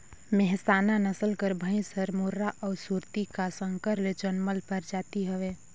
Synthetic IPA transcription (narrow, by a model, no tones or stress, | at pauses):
mɛɦsaːnanəsəlkəɾbʱə̃ɪ̃səɾmuɾːaʔɔːɾsuːɾt̪ikasə̃ŋkəɾled͡ʒənməlpəɾd͡ʒaːt̪iɦɛʋeː